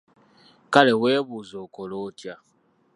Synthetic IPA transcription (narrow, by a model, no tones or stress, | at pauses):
kalɛwebuzokolotja